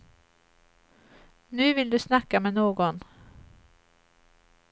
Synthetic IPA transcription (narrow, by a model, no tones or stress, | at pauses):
nʉ̟ːvɪld̪ɵsnakːamɛːnoːɡɔn